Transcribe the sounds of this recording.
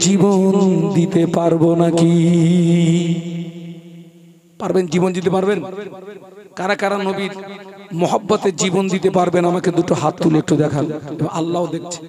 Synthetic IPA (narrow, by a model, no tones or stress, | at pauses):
d͡ʑibond̪it̪epaɾbonaki | paɾbend͡ʑibond̪it̪̬epaɾben | kaɾakaɾanobiɾmɔɦɔbːat̪ed͡ʑibond̪it̪epaɾbenamaked̪uʈoɦat̪t̪ːuleek̚ʈud̪ɛkʰaneboŋalːaod̪ek̚ʰt͡ɕʰe̥